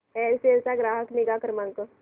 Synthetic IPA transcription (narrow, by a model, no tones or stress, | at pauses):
ɛːɾseːlsaɡɾaːɦəknɪɡakəɾmãːŋko